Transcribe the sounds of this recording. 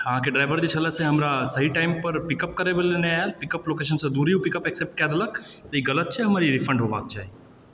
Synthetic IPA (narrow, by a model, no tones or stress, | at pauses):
ɦãkeɖɾaːɪʋəɾd͡ʑit͡ʃʰɐləsẽɦɐmɾasɐɦiʈaːɪmpɐɾpɪkəp̚kɐɾeʋəleneaelpɪkəploːkeʃ̬ənsẽd̪uːɾijũpɪkəpeksep̚ʈ̚kijaːd̪ɐləkt̪əiɡɐlət̪̚t͡ʃʰeɦɐmaːɾiɾɪfʰə̃ɳɖɦoʋa̰ːk̚d͡ʒaːi